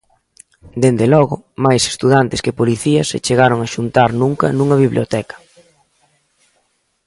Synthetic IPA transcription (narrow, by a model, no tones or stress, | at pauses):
d̪end̪elɔɣʊmajse̥st̪uðant̪ɪskɪpoliθiɐsḛt͡ʃeɣaɾoŋaʃunt̪aɾnuŋkɐ̰nũŋɐβiβljot̪ɛkɐ̥